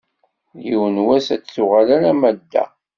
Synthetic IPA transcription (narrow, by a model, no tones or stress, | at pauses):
jiwənwæsæt͡sθuʁalæɾæmæd̪ːæ̰